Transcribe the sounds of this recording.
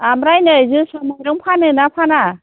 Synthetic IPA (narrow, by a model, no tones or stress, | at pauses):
amɾajnɯjzɯsɔmɔjɾɯŋpʰanɯnapʰana